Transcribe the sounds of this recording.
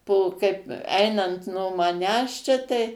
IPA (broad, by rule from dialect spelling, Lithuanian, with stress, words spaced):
poː ˈkɐɪp ˈɐɪnɐnt noː mɐˈnʲæːs t͡ʃʲɛ tɐɪ